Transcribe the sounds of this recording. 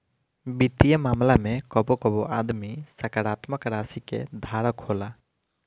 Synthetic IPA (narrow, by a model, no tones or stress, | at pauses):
bit̪ijamamlamɛkɔbɔkɔbɔʔad̪misakaɾat̪makaɾasikɛ̰d̪ʱaɾɔkʰɔla